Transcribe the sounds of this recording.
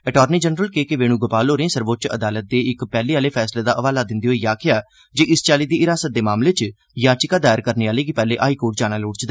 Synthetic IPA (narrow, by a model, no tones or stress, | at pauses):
ɛʈɔːɾniːd͡ʒənɾəlkeːkeʋeːñũːɡʊpaːloːɾeẽːsəɾʋoːt͡ʃə̰d̪aːlət̪̚d̪eːɪkpɛːleːaːleːpʰɛːsleːd̪aːʔəʋaːlaːd̪ɪnd̪iːɦoːiːjaːkʰɪjaː | d͡ʒeːʔɪst͡ʃaːliːd̪iːɪɾaːsət̪̚d̪eːmaːmleːt͡ʃ | jaːt͡ʃɪkaːd̪aːjəɾkəɾneːaːleːkipɛːleːʔaːikoːʈ̚d͡ʒaːɽ̃aːloːɽt͡ʃd̪a